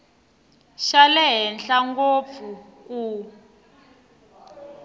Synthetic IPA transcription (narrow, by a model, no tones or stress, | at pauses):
ʃalɛɦɛnɬaŋɡop̪fuku